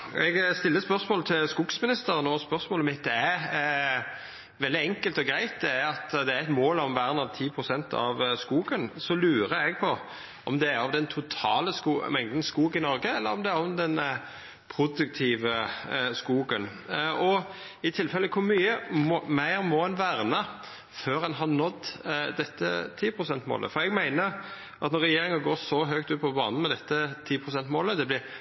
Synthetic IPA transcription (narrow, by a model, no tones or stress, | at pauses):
ɛɡst̪ɪlːəspœʁsmoːlət̪ʰɪlskʊɡsmɪnɪst̪əɾənɔspœʁsmoːləmɪt̪̚d̪ɛæ | ʋɛld̪ɪɛŋkəlt̪ɔɡɾæɪt̪̚d̪ɛæɾɑt̪d̪ɛæɛt̪moːlɔmʋæːʁənɑʋt̪ʰiːpʰɾʊsɛnt̪ʰɑ̰ʋskuːɡənsɔlʉːɾəɛɡ̚pʰɔ | ʔɔmd̪ɛæɾɑʋd̪ɛnt̪ʰʊt̪ʰɑːləskṵːmɛŋd̪n̩skuːɡɪnɔɾɡəɛlːəɾɔmd̪ɛæɾɔmd̪ɛn | pʰɾʊd̪ʉk̚t̪ʰiːʋəskuːɡən | ɔ | ɪt̪ʰɪlfɛlːəkʰʊɾmyːəmɔmæɪɾmɔɛnʋæːɾnə | føːɾɑnɦɑnɔt̪ːd̪ɛt̪ːə̰t̪ʰiːpʰɾʊsɛnt̪mo̰ːlə̰fɔɾɛɡmæɪnə | ʔɑt̪nɔɾɛjeːɾɪŋənɡoːsɔɦœk̚t̪ʉːt̪̚pʰɔbɑ̰ːnn̩mɛd̪ɛt̪ːət̪ʰiːpʰɾʊsɛnt̪moːləd̪ɛblɪɾ